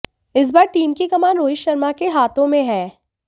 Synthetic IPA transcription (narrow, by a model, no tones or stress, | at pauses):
ɪs̬baːɾʈiːmkikɐmaːnɾoːɪʃːɐɾmakeɦaːt̪õmẽɦɛ̃ː